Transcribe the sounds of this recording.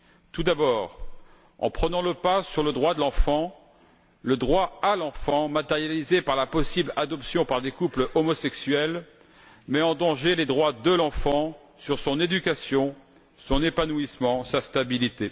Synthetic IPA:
t̪ud̪abɔːʁ | ɑ̰̃pχənɑ̃ləpasyʁləd̪ʁwad̪əlɑ̃fɑ̃ | ləd̪ʁwaalɑ̃fɑ̃mat̪ɛʁjalizepaʁlapɔsiblad̪ɔpsjɔ̃paʁd̪ekupləʔɔmɔsɛksɥɛl | mɛɑ̃d̪ɑ̃ʒeled̪ʁwad̪əlɑ̃fɑ̃ | syʁsɔ̃ned̪ykʲasjɔ̃ | sɔ̃nepanuismɑ̃sast̪abilit̪e

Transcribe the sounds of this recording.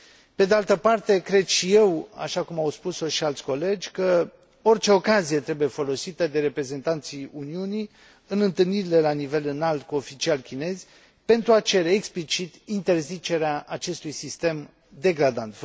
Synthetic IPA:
pe̞d̪ealt̪əpart̪e̞kɾe̞d̪ʃije̞wa̰ʃakumawspusoʃialt̪sʲko̞le̞d͡ʒʲkə | o̞rt͡ʃe̞o̞kazije̞t̪ɾe̞bujefo̞lo̞sit̪əd̪e̞ɾe̞pɾe̞ze̞nt̪ant̪siuniuni | ɨnɨnt̪ɨlniɾile̞lanive̞lɨnalt̪̚kuo̞fit͡ʃialkʲine̞zʲ | pe̞nt̪ɾuat͡ʃe̞ɾe̞ːksplit͡ʃit̪int̪e̞rzit͡ʃe̞ɾeaʔat͡ʃe̞st̪ujsist̪e̞m | d̪e̞ɡɾad̪ant̪

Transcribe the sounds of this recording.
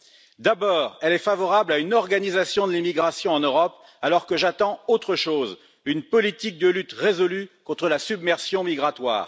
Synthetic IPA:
d̪abɔːʁɛlɛfavɔʁablaynɔʁɡanizasjɔ̃d̪əlimiɡʁasjɔ̃ɑ̃nøʁɔp | alɔʁkəʒat̪ɑ̃ot̪χəʃoz | ynpɔlit̪ik̚d̪əlyt̪ʁezɔlykɔ̃t̪χəlasybmɛʁsjɔ̃miɡʁat̪wa̰ːʁ

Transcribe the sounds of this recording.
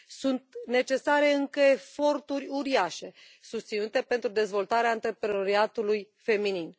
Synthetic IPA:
sunt̪ne̞t͡ʃe̞saɾe̞ɨŋkəefo̞rt̪urʲuɾiaʃe̞ | sust̪sinut̪e̞pe̞nt̪ɾud̪e̞zvo̞lt̪aɾeaɨnt̪ɾepɾeno̞ɾiat̪uluj | fe̞minin

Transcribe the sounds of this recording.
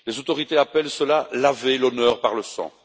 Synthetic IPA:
lezot̪ɔʁit̪eapɛlsəlalavelɔnœːʁpaʁləsɑ̰̃

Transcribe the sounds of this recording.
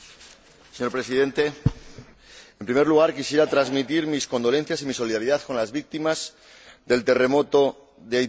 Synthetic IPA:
seɲo̞ɾpɾe̞siðe̞nt̪e̞ | e̞mpɾime̞ɾluɣaɾkisje̞ɾat̪ɾazmit̪iɾmisko̞nd̪o̞le̞n̟θjasimiso̞liðaɾiðaθko̞nlazβik̚t̪imaz̥ | ðe̞lt̪e̞re̞mo̞t̪o̞ | ðe

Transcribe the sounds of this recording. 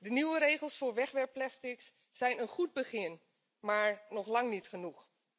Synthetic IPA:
dəniwəɾeːχəlˠsfʊːɹʋɛχʋɛɹpːlɛstɪks | sɛjnənχud̚bəχɪn | maːɹnɔχlɑŋnitχənux

